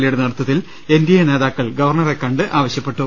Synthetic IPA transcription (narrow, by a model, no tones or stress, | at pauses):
lijuɽenɐrɐt̪ːɐt̪ːil | e̞nd̪jɐjɐne̞ːðaːkːɐɭɡɐʋɐrɳɐrekːɐɳɖɨʔaːʋɐɕjɐpːe̞ʈːu